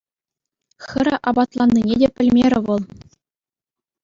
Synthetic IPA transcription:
xʲɘ̆ɾʲɘ̆ʔɑbɑt̪lˠɑnʲːinʲedʲepʲɘ̆lʲmʲeɾʲɘ̆ʋɤ̆lˠ

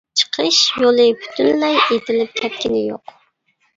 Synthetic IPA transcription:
t͡ʃʰə̥qʰəʃjolˠɨpʰy̥t̪ʰynlɛjet̪ɪlɪp̚kʲʰɛt̪̚kʲɪnɪjo̰q

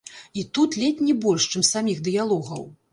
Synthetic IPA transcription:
it̪ut̪lʲɛtʲnʲibɔlʲʂt͡ʂɨmsamʲixd̪ɨjalˠɔɣɐ̰w

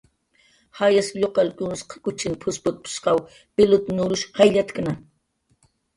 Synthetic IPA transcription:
hajasʎoqɑlkʊnsqʰɑ̥kʊt͡ʃɪnpʰʊspʊt̪̚pʰʊ̥ʃqɑw | pɪlʊt̪nʊɾʊʃhajʎat̪kna

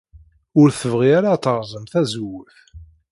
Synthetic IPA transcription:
ʊɾθəvʁiæɾat̪ːəʁzˤəmθæzwːəθ

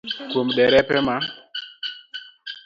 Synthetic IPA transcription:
komɗɛɾɛpɛma

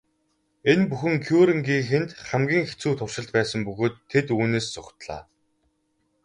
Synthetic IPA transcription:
enpuxɘ̆ŋkʰjuːɾĭŋɡiːŋxent̪χæmɡʲiːŋxet͡suːt̪ʰʊrʃɪ̆ɮt̪̚pæːsə̆mpɵɣoːt̪ʰːet̪uːneːssʊxt̪ɮa̰ː

